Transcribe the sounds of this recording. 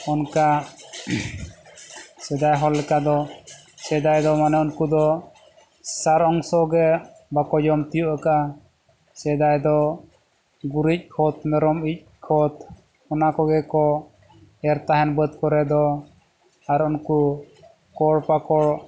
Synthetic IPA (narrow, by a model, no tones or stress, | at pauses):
ɔnka | sɛd̪ajɦɔlːɛkad̪ɔsɛd̪ajd̪ɔmanɛunkud̪ɔ | saɾɔŋsɔɡɛ | bakɔd͡ʒɔmt̪ijuʔakaʔa | sɛd̪ajd̪ɔ | ɡuɾic̚kʰɔt̪mɛɾɔmic̚kʰɔt̪ | ɔnakɔɡɛkɔ | ɛɾt̪aɦɛnbət̪̚kɔɾɛd̪ɔ | aɾunku | kɔɽpakɔɽ